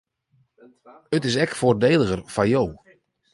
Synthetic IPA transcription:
ətɪs̬ɛkfoːrdeːlˠəɣərfajow

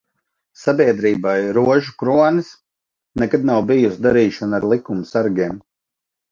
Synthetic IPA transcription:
sabiɛd̪ɾiːbajɾuɔʒukɾuɔnis | nɛkad̪̚nawbijusd̪aɾiːʃɔnaɾlˠikumsaɾɡʲeɛm

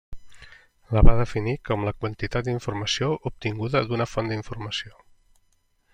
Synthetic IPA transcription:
ləβaðəfinikɔmləkwənt̪it̪at̪̚d̪iɱfuɾməsioʔup̚t̪iŋɡuðəd̪unəfɔnd̪iɱfuɾməsio

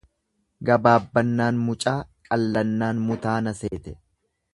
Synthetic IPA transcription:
ɡɐbaːbːɐnːaːnmʊt͡ʃʼaːkʼɐlːɐnːaːnmʊt̪aːnɐseːt̪ɛ̥

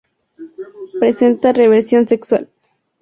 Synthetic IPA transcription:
pɾesent̪areβeɾsjo̞nsekswa̰l

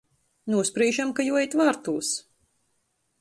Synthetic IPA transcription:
nuɔspɾiːʒamkajuɔjit̪vaːɾt̪uːs

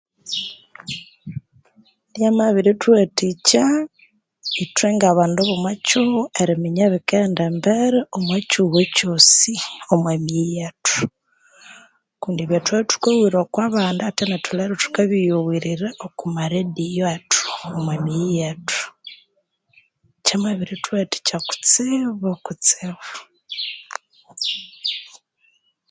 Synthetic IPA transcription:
ɾjamaβiɾitwetica | ituweŋɡaβaːndoβumwacuβeɾimiɲeβikeːndembeɾeomwecuɣecosiomwemijetu̥ | kuːndieβjatweβitu̥kewiːɾokwaβaːndaatenetuleɾotu̥kaβijowiɾiɾeʔokumaɾedijoatu̥omwemijatʰu̥ | cemweβiɾitweti̥caku̥t͡siβokut͡siβa

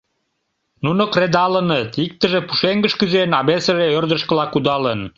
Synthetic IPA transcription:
nunokred̪ɑlənət̪ik̚t̪əʒepu̥ʃeŋɡəʃkyzenɑβesə̆ʒeørd̪əʃkəlɑkud̪ɑlən

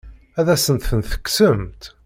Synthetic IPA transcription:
æðæsənt̪θənθə̥kːsəmt̪

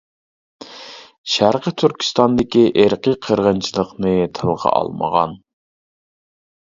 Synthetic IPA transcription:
ʃæɾqət̪ʰyɾkʲi̥st̪ɑnd̪ɪkʲiʔeɾqʰəqʰəɾʁənt͡ʃʰilˠəqnɨt̪ʰɨlˠʁɑ̰ɑ̰lˠmə̰ʁɑ̰n

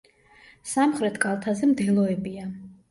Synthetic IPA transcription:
samχɾɛt̪ʰɡalˠt̪ʰazɛmd̪ɛlˠɔɛbia

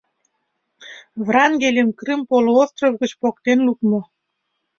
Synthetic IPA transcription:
vrɑŋɡʲelʲemkrɨmpoloost̪rovɣə̆t͡ɕpok̚t̪enlukmŏ

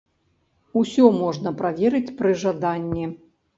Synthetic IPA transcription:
usʲɔmɔʐnɐpɾavʲɛɾɨt͡sʲpɾɨʐad̪anʲːi

